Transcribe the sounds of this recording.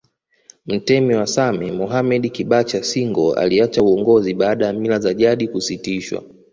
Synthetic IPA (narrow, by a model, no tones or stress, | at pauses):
m̩tɛmɛwasamɛmɔɦamɛɗikiɓat͡ʃasiŋɡɔa̰liat͡ʃauɔŋɡɔziɓaːɗajamilazaʄaɗikusitiʃwa̰